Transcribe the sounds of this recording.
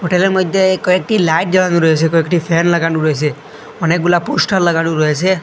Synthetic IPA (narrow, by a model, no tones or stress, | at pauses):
ɦoʈeleɾmɔd̪ʱjekɔekʈilajʈ̚d͡ʒəlanuɾɔɦet͡ʃʰekɔekʈipʰenləɡaɖuɾɔɦet͡ʃʰe | ɔnek̚bulaposʈəɾləɡaɖũɾɔɦet͡ʃʰe